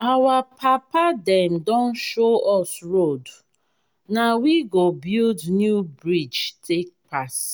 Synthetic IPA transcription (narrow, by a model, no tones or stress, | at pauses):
awapʰapadɛmdɔ̃nʃoɔsɹod | nawiɡobildnjubɹid͡ʒtʰek̚pas